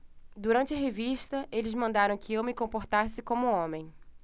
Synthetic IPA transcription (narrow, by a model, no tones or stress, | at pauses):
d̪uɾɐ̃nt͡ʃɪɐɦeviʃt̪ɐʔelɪzmɐ̃nd̪aɾɐ̃w̃kɪewmɪkõpoɾt̪asɪkõmʊõmẽj̃